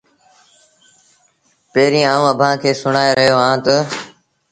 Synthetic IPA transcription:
peːɾĩːaːũːəbʱãːkʰeːsʊɽaːeɾəɦjoːɦãːt̪ə

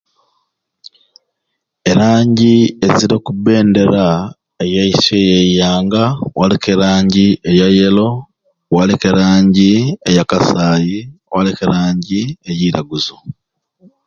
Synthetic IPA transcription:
eɾaːɲɟieziɾokube̞ːnde̞ɾa | ejaisejejaːŋɡawalekeɾaːɲɟiejajelo̞ | walekeɾaːɲɟiejakasaːjiwalekeɾaːɲɟiejiːɾaɡuzo

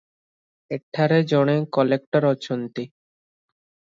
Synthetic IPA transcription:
eʈʰːaɾed͡ʑɔɽ̃ekɔlek̚ʈaɾɔt͡ɕʰont̪i

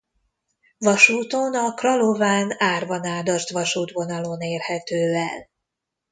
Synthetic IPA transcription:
vɒʃuːt̪onɒkrɒlovaːnaːrvɒnaːd̪ɒrt̪ʋɒʃuːd̪vo̞nɒloneːrhɛt̪øːɛl

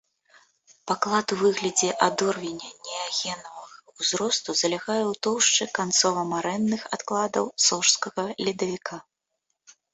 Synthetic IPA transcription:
paklˠat̪uvɨɣlʲɐd͡zʲɛʔad̪ɔrvʲɛnʲɐnʲɛaɣʲɛnɐvɐɣɐwzɾɔst̪uzɐlʲaɣajɛwt̪ɔwʂt͡ʂɨkant̪sɔvɐmaɾɛnːɨxat̪klˠad̪ɐwsɔʂskɐɣɐlʲid̪ɐvʲikʰa

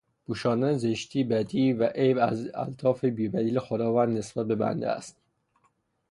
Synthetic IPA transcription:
b̥uːʃɒːnd̪ænzeʃt̪ʰiːbæd̪iːvæʔejbæ̰zæ̰lt̪ʰɒːfebiːvæliːlexod̪ɒːvænd̪ne̞sb̥æt̪̚be̞bæ̰nd̪ḛæ̰st̪

